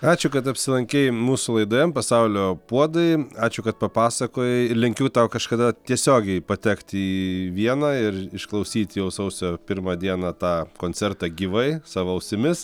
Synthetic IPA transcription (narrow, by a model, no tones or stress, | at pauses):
ɑːt͡ʃʲʊkɐt̪ɐpʲsʲɪlˠɐŋʲkʲɛɪmuːsʊlˠɐɪd̪oːjɛmpɐsɐʊlʲoːpuɔd̪ɐɪɑːt͡ʃʲʊkɐt̪̚pɐpɑːsɐkoːjɛɪlʲɪŋʲkʲuːt̪ɐʊkɐʃkɐd̪ɐt̪ʲiɛsʲoːɡʲɛɪpɐt̪ʲɛkt̪ʲiʋʲiɛnɑːɪrɪʃklˠɐʊsʲiːt̪ʲjɛʊsɐʊsʲoːpʲɪrmɐːd̪ʲiɛnɐːt̪ɑːkoːnʲt͡sʲɛrt̪ɐːɡʲiːʋɐɪsɑːʋoːɐʊsʲɪmʲɪs